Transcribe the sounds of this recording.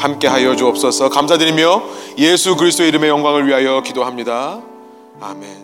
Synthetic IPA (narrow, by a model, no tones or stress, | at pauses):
hamk͈e̞ɦajʌd͡ʑuʌp̚s͈ʌsʰʌkamsʰadɯɾimjʌjesʰukɯɾisʰt͈oeiɾɯme̞jʌŋɡwaŋɯɭɥiɦajʌkidoɦamɲida | ame̞n